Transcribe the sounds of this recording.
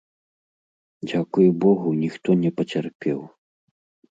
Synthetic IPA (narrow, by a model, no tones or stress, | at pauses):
d͡zʲakujubɔɣunʲixt̪ɔnʲɛpɐt͡sʲarpʲɛw